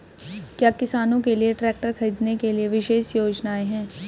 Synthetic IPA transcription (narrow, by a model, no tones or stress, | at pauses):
kjaːkɪsaːnõkelieʈɾɛːk̚ʈəɾxɐɾiːd̪nekelieʋɪʃeːʃjoːd͡ʒnaːeɦɛ̃ː